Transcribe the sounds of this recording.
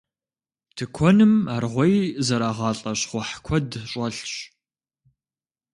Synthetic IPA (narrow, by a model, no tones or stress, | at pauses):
tʰɨkʷʰɔnɨmaːrʁʷɔjzɐɾaːʁɑːɬʼɐɕχʷɔħkʷʰɔdɕʷʼɐɬɕ